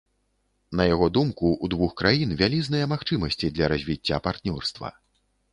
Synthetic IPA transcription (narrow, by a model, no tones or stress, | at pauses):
nɐjaɣɔd̪umkuud̪vuxkɾajinvʲalʲiznɨjɐmaxt͡ʂɨmɐsʲt͡sʲid̪lʲɐɾɐzʲvʲit͡sʲːapart̪nʲɔrst̪vɐ̰